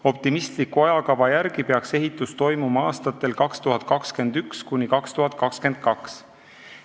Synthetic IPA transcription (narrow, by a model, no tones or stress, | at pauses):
o̞p̚t̪imist̪likuɑjɑkɑvɑjæɾɡ̥ipe̞ɑkse̞ɦit̪ːˑust̪o̞jmumɑɑːst̪ɑt̪ːˑe̞lkɑkst̪uɦɑt̪̚ˑkɑkske̞nd̪̥ykskunʲikɑkst̪uɦɑt̪̚ːˑkɑkske̞nd̪̥̚kɑks